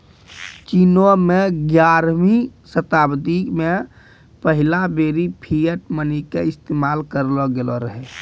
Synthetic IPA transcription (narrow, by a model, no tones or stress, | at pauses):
t͡ʃiːnomẽɡjaːɾmisət̪aːbd̪ikmẽ | pəɦɪlabeːɾipʰijəʈmənikeɪst̪eːmaːlkəɾloɡeloɾəɦe